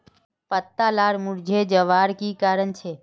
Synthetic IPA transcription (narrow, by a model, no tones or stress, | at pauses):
pət̪ːalaːɾmʊɾd͡ʒʱed͡ʒəʋaːɾkikaːɾənt͡ʃʰe